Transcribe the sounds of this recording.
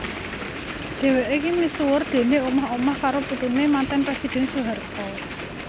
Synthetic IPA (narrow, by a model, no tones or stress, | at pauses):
d̪̥e̤weʔikimisuwʊrd̪̥e̤neumaɦomahkaɾoput̪unemant̪ɛnpɾɛsid̪̥ɛ̤nsuɦart̪ɔ